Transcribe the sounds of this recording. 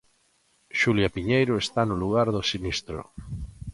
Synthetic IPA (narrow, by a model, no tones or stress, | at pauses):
ʃuljapiɲejɾoest̪anoluɣ̞aɾðosinist̪ɾo̰